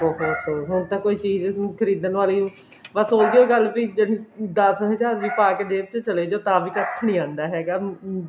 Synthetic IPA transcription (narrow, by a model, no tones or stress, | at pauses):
oːɦoːkoːɦʊnt̪ãːkoːiːt͡ʃiːzkʰəɾiːd̪ənʋaːliːũː | bəsoːd̪iːoiːɡəlbiːd͡ʒenĩːd̪əsɦəzaːɾʋiːpaːkeːd̪eːbt͡ʃ̪et͡ʃəleːd͡ʒoːt̪ãːʋiːkət̪ʰnĩːãːnd̪aːɦɛːɡaː